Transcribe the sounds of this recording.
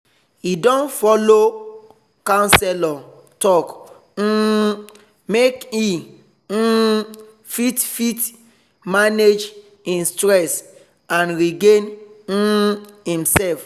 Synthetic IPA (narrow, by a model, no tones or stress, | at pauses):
idɔ̃nfɔlo | kãnsɛlɔ | tɔk̩ | meki | fitfit | maned͡ʒ | ĩnstɹɛs | ãnɹiɡẽn̩ | hĩmsɛlf